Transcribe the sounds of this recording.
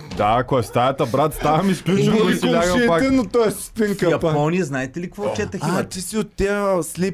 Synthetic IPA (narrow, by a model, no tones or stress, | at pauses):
d̪akɔɛst̪ajɐt̪ɐbɾat̪st̪aɐmisklʲut͡ʃusilʲaɡɐpakt̪ɛnot̪ɔɛsp̪iŋkɐɐpmɔnijɛznaɛt̪ɛlikvɔt͡ʃɛt̪ɐximɐt͡ʃ̪isiʊt̪ʲːɛəslip